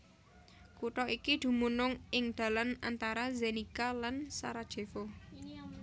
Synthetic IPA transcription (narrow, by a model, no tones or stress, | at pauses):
kuʈɔʔikid̪̥ṳmunʊŋɪŋd̪̥a̤lana̰nt̪aɾazenikalansa̰ɾad̥ʒ̥e̤fo